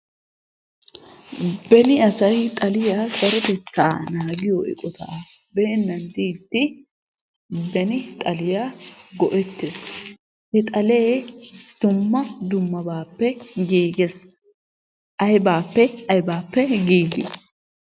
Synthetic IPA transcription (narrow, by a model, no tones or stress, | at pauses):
bɛnɪɐsɐjt̪ʼɐlɪjaːsɐɾɔt̪ɛt͡sːaːnaːɡɪjɔʔɪ̰kʼɔt̪ʰa̰ː | beːnːɐnd̪iːd̪ːɪ | bɛnɪt̪ʼɐlɪjaɡɔʔɛt̪ːes | hɛt̪ʼɐleːd̪̥ʊmːɐd̪ʊmːɐbaːpːɛɡiːɡes | ʔɐjbaːpːɛɐjbaːpːɛɡiːɡɪ